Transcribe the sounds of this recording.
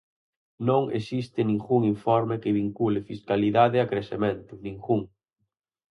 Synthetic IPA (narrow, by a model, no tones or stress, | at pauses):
nõŋḛsist̪ɪnĩŋɡuŋiɱfɔɾmɪkɪβiŋkulɪfiskaliðaðɪakɾesemẽnt̪ʊnĩŋɡuŋ